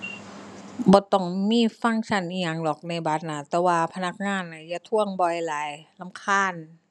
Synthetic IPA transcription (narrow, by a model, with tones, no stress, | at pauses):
bɔː˧˦t̪ɔ˧˩ŋmiː˧˥˨fa˧˥˨ŋt͡ɕʰa˧˩nʔiː˧˩ŋa˧˩ŋlɔː˨˩k̚na˧˩jba˧˦t̪̚naː˧˩t̪ɛː˧waː˧pʰa˧na˧˥k̚ŋaː˧˥˨nːa˧˩ja˧˨t̪ʰu˧˩əŋbɔ˧˩jlaː˨˦jla˧˥˨mkʰaː˧˥˨n